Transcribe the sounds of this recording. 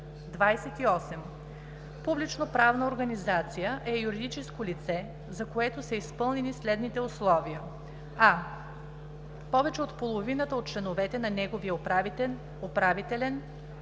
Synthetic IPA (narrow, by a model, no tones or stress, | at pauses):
d̪vajsɛt̪iɔsɛm | publit͡ʃnopɾavnɐoɾɡɐnizat̪sijəʔɛjuɾid̪it͡ʃɛskolit̪sɛ | zɐkoɛt̪osɐispɤlˠnɛnislɛd̪nit̪ɛoslˠɔviə | a | pɔvɛt͡ʃɛot̪polˠovinət̪əot̪̚t͡ʃlɛnovɛt̪ɛnɐnɛɡovijə | opɾavit̪ɛlɛn